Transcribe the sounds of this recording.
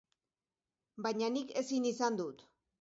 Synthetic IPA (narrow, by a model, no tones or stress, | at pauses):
bajɲanike̞sinisand̪ut̪